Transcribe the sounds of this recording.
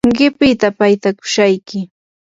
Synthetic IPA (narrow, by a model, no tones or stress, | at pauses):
ŋɢɪpɪt̪apajt̪akʊ̥ʃajkɪ